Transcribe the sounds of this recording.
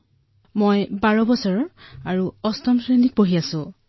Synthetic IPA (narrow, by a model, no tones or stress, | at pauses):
mojbaɹɔbɔsɔɹɔaɹuɔstɔmsɹenit̚poɦiasʊ̃